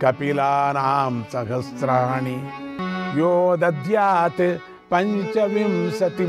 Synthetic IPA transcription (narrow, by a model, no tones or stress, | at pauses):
kɐpilaːnaːmsɐɦɐsɾani | joːd̪ɐd̪jaːt̪e | pɐ̃ɲt͡ʃɐʋimsɐt̪i